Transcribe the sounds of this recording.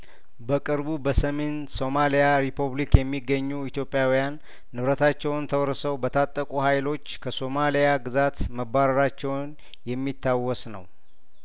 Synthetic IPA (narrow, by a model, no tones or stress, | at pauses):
bəkʼɨɾbubəsəme̞nso̞malijaɾipʰuβlikjɛmːiɡːəɲːuit̪jo̞pʼjawijanː | ɨβɾət̪ʰat͡ʃːɛwnt̪ʰəwɾsəwbət̪ʰat̪ʼːəkʼuhajlo̞t͡ʃːkʰəso̞malijaɡɨzat̪məbaɾəɾat͡ʃːɛwn | jɛmːit̪ʰːawːɔsnəw